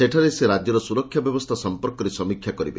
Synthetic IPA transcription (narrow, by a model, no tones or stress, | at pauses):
seʈʰaɾeseɾad͡ʒjɔɾɔsuɾɔkʰːjabjɔbɔst̪ʰasɔmpɔɾkɔɾesɔmikʰjakɔɾibḛ